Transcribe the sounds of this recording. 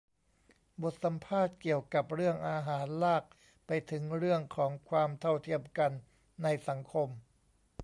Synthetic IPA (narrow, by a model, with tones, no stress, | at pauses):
bo˨˩t̪̚sa˩˨˦mpʰaː˥˩t̪̚ki˨˩əwka˨˩p̚ɾɯ˥˩əŋʔaː˧ɦaː˩˦nlaː˥˩k̚ | pa˧jt̪ʰɯ˩˦ŋɾɯ˥˩əŋkʰɔː˩˦ŋkʰwaː˧mt̪ʰa˥˩wt̪ʰi˥˩əmka˧nː | a˧jsa˩˦ŋkʰo˧m